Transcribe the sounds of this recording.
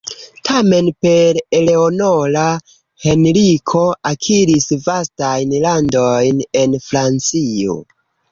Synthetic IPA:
tʰame̞npe̞ɾele̞onola | he̞nɾikʰo̞akʰiɾisvastajnlando̞jne̞nfɾant͡sio̞̰

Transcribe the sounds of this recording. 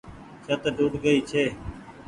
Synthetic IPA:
t͡ʃʰət̪ɖʱuːʈɡəiːt͡ʃʰeː

